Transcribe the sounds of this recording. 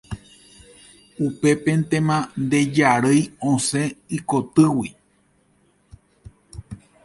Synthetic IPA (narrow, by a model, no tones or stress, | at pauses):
upe̞pe̞nt̪ẽmãnd̪e̞d͡ʒaɾɨjõsẽikot̪ɨwi